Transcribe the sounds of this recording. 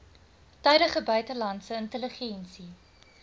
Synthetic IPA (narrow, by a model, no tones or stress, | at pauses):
tœɥdəχəbœɥtəlɐntsəəntələχɛnsi